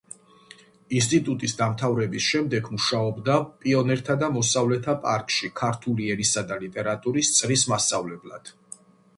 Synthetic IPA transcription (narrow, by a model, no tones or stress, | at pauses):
ins̬t̪ʼit̪ʼut̪ʼisd̪amt̪ʰavɾɛbisʃɛmd̪ɛɡmuʃaɔbd̪apʼiɔnɛɾt̪ʰad̪amɔsavlɛt̪ʰapʼa̰ɾkʼʃikʰaɾt̪ʰuliɛɾisad̪alit̪ʼɛɾat̪ʼuɾist̪sʼlismast̪sʼavlɛblˠa̰d̪̥